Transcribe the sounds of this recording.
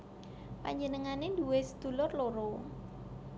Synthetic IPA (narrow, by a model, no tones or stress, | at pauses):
pa̰ɲd͡ʒənəŋanenduwesə̥d̪̥ṳlɔrloɾo